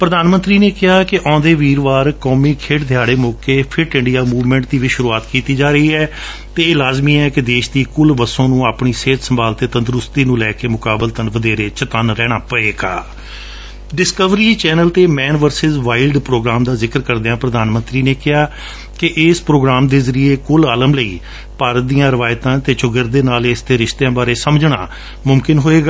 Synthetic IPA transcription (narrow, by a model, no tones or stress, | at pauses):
pɾəd̪aːnmənt̪ɾiːneːkɪɦaːkɪʔɔ̃ːd̪eːʋiːɾʋaːɾkɔːmiːkʰeːʈd̪ʱjaːɽeːmoːkeːpʰɪɾʈɪ̃ɳɖijaːmuːʋmɛ̃ːɳʈ̚d̪iːʋɪʃʊɾuːaːt̪kiːt̪iːd͡ʒaːɾəiːɛː | t̪eːeːlaːzmiːɛːkɪd̪eːʃd̪iːkʊlʋəsõːnũːaːpɳ̃iːseːt̪səmbaːlt̪eːt̪ə̃nd̪əɾʊst̪iːnũːlɛːkeːmʊkaːbəlt̪ənʋəd̪eːɾeːt͡ʃət̪aːnɾɛːɽ̃aːpəeːɡa̰ː | ɖɪskəʋɾiːt͡ʃɛːnəlt̪eːmɛːnʋəɾsɪzʋaːɪlɖpɾoːɡɾaːmd̪aːzɪkəɾkəɾd̪eãːpɾəd̪aːnmə̃nt̪ɾiːneːkɪɦaː | kɪʔɪːspɾoːɡɾaːmd̪eːzəɾieːkʊlaːləmləiː | paːɾət̪̚d̪iːjãːɾəʋaːjt̪ãːt̪eːt͡ʃʊɡəɾd̪eːnaːleːst̪eːɾɪʃt̪eãːbaːɾeːsəmd͡ʒɳa̰ː | mʊmkɪnɦoːeːɡaː